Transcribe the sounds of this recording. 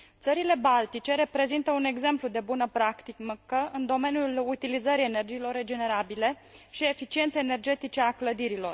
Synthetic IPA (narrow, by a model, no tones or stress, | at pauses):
t̪səɾile̞balt̪it͡ʃe̞ɾe̞pɾe̞zint̪əune̞ɡze̞mplud̪e̞bunəpɾakt̪ikmkəɨnd̪o̞me̞njulut̪ilizəɾijene̞rd͡ʒiːlo̞rːe̞d͡ʒe̞ne̞ɾabile̞ | ʃie̞fit͡ʃient̪sejene̞rd͡ʒe̞t̪it͡ʃe̞akləd̪iɾilo̞r